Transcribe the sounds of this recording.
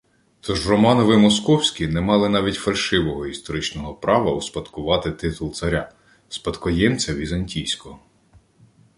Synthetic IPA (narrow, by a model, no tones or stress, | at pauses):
t̪ʰɔʒrɔmɑnɔʋɪmɔskɔwsʲkʲinɛmɑlˠɪnɑʋʲitʲfɐlʲʃɪʋɔɦɔist̪ɔɾɪt͡ʃnɔɦɔpɾɑʋɐuspɐd̪kʊʋɑt̪ɪt̪ɪt̪ʊlˠt̪sɐɾʲa | spɐd̪kɔjɛmt͡sʲɐʋʲizɐnʲtʲijsʲkɔɦ